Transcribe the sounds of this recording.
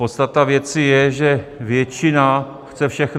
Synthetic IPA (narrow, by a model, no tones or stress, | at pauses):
pot̪st̪at̪avjɛt͡sɪjɛʒɛvjɛt͡ʃɪna | xt͡sɛfʃɛxn